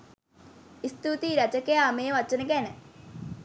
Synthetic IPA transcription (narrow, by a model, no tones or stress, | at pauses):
ist̪ut̪iɾɐt͡ʃɐkejaːmeːʋɐt͡ʃːənəkænə